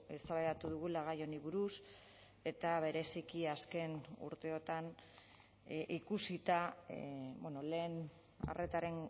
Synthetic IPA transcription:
esaβajat̪uðuɣulaɣ̞ajo̞niβuɾus | e̞t̪aβe̞ɾe̞sikiaske̞nṵɾt̪e̞o̞t̪an | ʔikusit̪a | beno̞le̞ːn | a̰rʔe̞t̪aɾe̞n

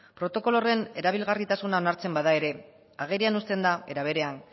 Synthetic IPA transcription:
pɾo̞t̪o̞ko̞lo̞re̞ne̞ɾaβ̞ilɣarit̪asunao̞naɾt͡se̞mbaðae̞ɾe̞ | aɣ̞eɾianust̪e̞nd̪ae̞ɾaβ̞e̞ɾe̞an

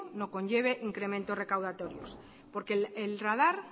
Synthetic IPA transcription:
no̞ko̞ɲʝe̞β̞e̞ʔiŋkɾe̞mẽnt̪o̞zre̞kawð̞at̪o̞ɾjo̞̰s | po̞ɾkeelraðaɾ

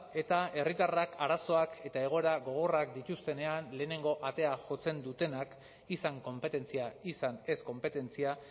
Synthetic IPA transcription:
e̞t̪ae̞rit̪arakʰaɾaso̞ake̞t̪ae̞ɣ̞o̞e̞ɾaɣo̞ɣ̞o̞rakd̪it̪ust̪e̞ne̞anle̞ːne̞ŋɡo̞ʔat̪e̞aʝo̞t͡se̞nd̪ut̪e̞nak | isaŋko̞mpe̞t̪e̞nt͡siaisane̞sko̞mpe̞t̪e̞nt͡sia

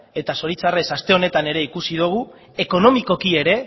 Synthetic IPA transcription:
e̞t̪aso̞ɾit͡sare̞sast̪e̞o̞ne̞t̪ane̞ɾe̞ikusið̞uɣ̞u | e̞ko̞no̞miko̞kie̞ɾe̞

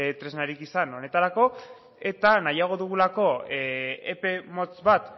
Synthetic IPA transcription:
t̪ɾe̞znaɾikisano̞ne̞t̪aɾako̞ | e̞t̪anajaɣ̞o̞ðuɣ̞ulako̞ | ḛpe̞mo̞t͡sβat̪

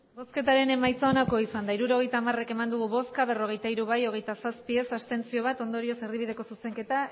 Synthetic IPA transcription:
bo̞ske̞t̪aɾe̞ne̞majt͡saonakoisand̪aiɾuɾo̞ɣ̞ejt̪aːmare̞ke̞mand̪uɣuβo̞skaβ̞e̞ro̞ɣ̞e̞jt̪aiɾuβajo̞ɣ̞ejt̪asaspie̞sast̪e̞nt͡sio̞βat̪o̞nd̪o̞ɾio̞se̞riβ̞ið̞e̞ko̞suse̞ŋke̞t̪a

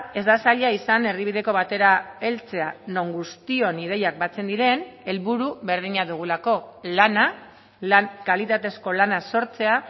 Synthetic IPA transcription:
e̞zd̪asaʎaisane̞riβ̞iðe̞ko̞β̞at̪e̞ɾae̞lt͡se̞ano̞ŋɡust̪io̞nið̞e̞jak̚bat͡se̞nd̪iɾe̞ne̞lβuɾuβe̞ɾð̞iɲaðuɣ̞ulako̞lana | lankalit̪at̪e̞sko̞lanaso̞ɾt͡se̞a

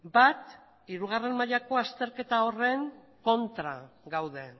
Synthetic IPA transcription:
bat̪ | iɾuɣ̞are̞mmaʎako̞ast̪e̞ɾke̞t̪ao̞re̞ŋ | ko̞nt̪ɾa̰ɡawðe̞

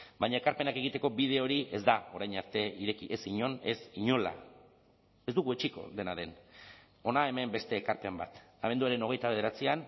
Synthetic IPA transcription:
bajɲaekaɾpe̞nake̞ɣ̞it̪e̞ko̞bið̞e̞o̞ɾie̞zd̪ao̞ɾajɲaɾt̪e̞iɾe̞kiʔe̞siɲo̞ne̞siɲo̞la̰ | e̞zd̪uɣue̞t͡ʃiko̞̰ðe̞naðe̞n | o̞nae̞me̞mbe̞st̪e̞ːkaɾpe̞mbat̪aβe̞nd̪uaɾe̞no̞ɣ̞e̞jt̪aβð̞e̞ɾat͡sian

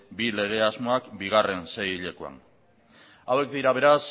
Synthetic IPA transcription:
bile̞ɣ̞e̞azmo̞akbiɣ̞are̞nsejʎe̞koa̰n | awe̞kd̪iɾaβ̞e̞ɾas

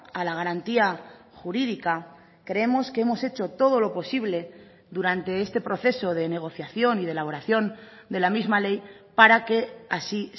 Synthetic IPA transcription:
alaɣ̞aɾant̪ia | xuɾiðika | kɾe̞emo̞skee̞mo̞se̞t͡ʃo̞t̪o̞ð̞o̞lo̞po̞siβ̞le̞ | ðuɾant̪e̞e̞st̪e̞pɾo̞θe̞so̞ð̞e̞ne̞ɣ̞o̞θjaθjo̞niðelaβo̞ɾaθjo̞n | d̪e̞lamizmale̞j | paɾake̞asi

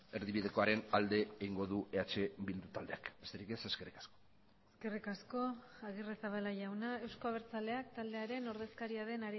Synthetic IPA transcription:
e̞ɾðiβiðe̞ko̞aɾe̞nald̪e̞eiŋɡo̞ðueat͡ʃe̞bild̪ut̪ald̪e̞akbest̪eɾike̞se̞skerikḁsko | eske̞rikasko̞aɣ̞iresaβ̞alaʝawnae̞wsko̞aβ̞eɾt͡sale̞akt̪ald̪e̞aɾe̞no̞ɾðe̞skaɾiaðe̞naɾ

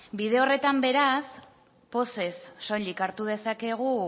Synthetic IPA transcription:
bið̞e̞ore̞t̪ambe̞ɾas | po̞se̞sːo̞likaɾt̪uð̞e̞sake̞ɣ̞u

